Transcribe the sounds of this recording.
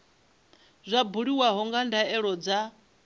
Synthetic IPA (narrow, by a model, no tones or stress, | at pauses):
zʷabuɺiwaɦɔŋɡandaɛɺɔd͡za